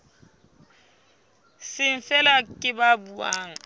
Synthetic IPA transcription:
sɪɱ̩fɛlakʼɪbabua̰ːŋ̩

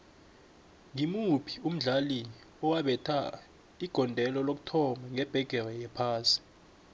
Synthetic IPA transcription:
ŋimupʰi̥um̩ɮali | ɔwaɓɛtʰa | iɡ̥ʱɔndʱɛlɔlok̬u̥tʰɔmaŋɛb̥ʱɛɡ̥ʱɛrɛjɛpʰaːsi̥

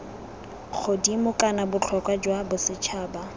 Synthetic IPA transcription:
k͡xʰodimʊkʼanabʊt͡ɬʰɔkwad͡ʒwabʊsɪt͡ʃʰaːba

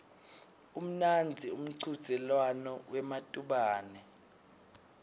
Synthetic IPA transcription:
um̩nand͡zʱium̩ǀʰud̥z̥ʱɛlwanɔwʔɛmatʼuɓaːnɛ

